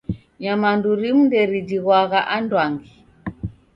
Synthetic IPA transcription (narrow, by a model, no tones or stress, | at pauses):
ɲamanduɾim̩ndɛɾidiɣwaɣaʔandwaŋɡi